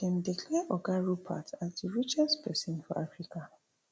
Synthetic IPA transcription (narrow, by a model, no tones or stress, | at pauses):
dɛ̃ndikʰlɛʔɔɡaɹupʰa̰tʰasdiɹit͡ʃɛspʰɛsĩnfɔʔafɹikʰa